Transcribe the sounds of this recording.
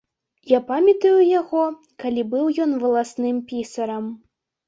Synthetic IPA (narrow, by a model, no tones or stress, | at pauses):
japamʲɐt̪ɐjujaɣɔ | kalʲibɨwjɔnvɐlˠasnɨmpʲisɐɾɐm